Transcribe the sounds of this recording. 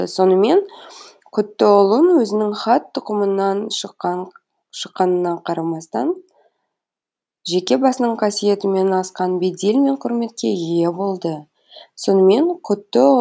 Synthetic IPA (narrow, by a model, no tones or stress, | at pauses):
so̞nəme̞n | kʲʰʏt̪ːɪʊlˠənwɵzɪnɪŋχɑt̪ʰːʊqəmənɑnʃqɑ | ʃəqːɑnənɑqʰɑɾɑmɑst̪ɑn | ʒe̞kʲe̞bɑsənəɴqʰɑsije̞t̪ɪme̞nɑsqɑnbe̞d̪elʲme̞ɴqʰʊɾme̞t̪̚kʲe̞je̞bo̞lˠd̪ə | so̞nəme̞ɴqʲʰʏt̪ːɪ